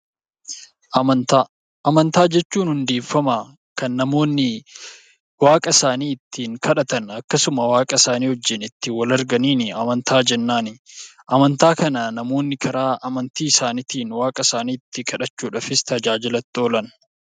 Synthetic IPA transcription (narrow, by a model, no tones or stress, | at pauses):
ɐɐnt̪a | ʔɐmɐnt̪aːd͡ʒɛt͡ʃːuːnhʊnd̪e̞ːfːɐma | kɐnːɐmo̞ːnːɪ | waːkʼɐsaːniːɪt̪ːiːŋkʰɐᶑɐt̪ɐnɐkːɐsʊmɐwaːkʼɐsaːniːhɔd͡ʒːɪnɪt̪ːɪwɐlɐɾɡɐniːnɪɐmɐnt̪ʰaːd͡ʒɛnːaːnɪʔɐmɐnt̪aːkɐnɐnɐmo̞ːnːɪkʰɐɾaːʔɐmɐnt̪iːɪsaːnɪt̪iːnwaːkʼɐsaːniːɪt̪ːɪkʰɐᶑɐt͡ʃːuːᶑɐfɪst̪ɐd͡ʒaːd͡ʒɪlɐt̪ːo̞ːlɐn